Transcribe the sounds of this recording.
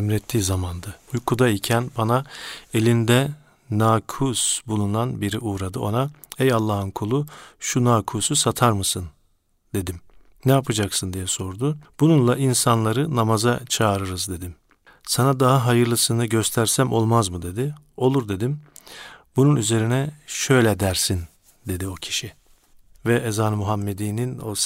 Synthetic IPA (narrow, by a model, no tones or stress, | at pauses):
mɾɛt̪ʰːiːzamand̪aujkʰud̪aicʰænbanae̞lʲind̪ɛ | naːkʰusbulˠunanbiɾiʔuːɾad̪ɯo̞naɛjalˠːaːɦɯnkʰulˠuʃunaːkʰususat̪ʰaɾmɯsɯn | d̪̥e̞d̪im | nɛapʰad͡ʒaksɯnd̪ijɛso̞ɾd̪ʊb̥ununlˠaʔinsanlˠaɾɯnamazat͡ʃʰaːɾɯɾɯzd̪e̞d̪im | sanad̪aɦaɦajɯɾlˠɯsɯnɯɟøst̪ʰæɾsæmo̞lˠmazmɯd̪e̞d̪i | o̞lˠuɾd̪e̞d̪im | bununyze̞ɾinɛʃø̞jlʲɛd̪æɾsin | d̪e̞d̪io̞cʰi̥ʃi | vɛɛzaːnɯmuɦamːe̞d̪iːnino